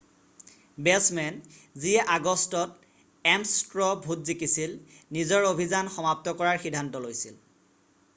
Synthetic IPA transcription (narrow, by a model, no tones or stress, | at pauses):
bɛsmɛnziɛʔaɡɔstɔt̚ | ɛmstɹɔbʱutzikisilnizɔɹobʱizanxɔmap̚tɔkɔɹaɹxidʱːantɔlojsḭl